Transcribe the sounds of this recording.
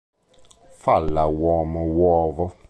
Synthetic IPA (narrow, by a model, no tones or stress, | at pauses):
falawɔ̃ːməwɔːvɔ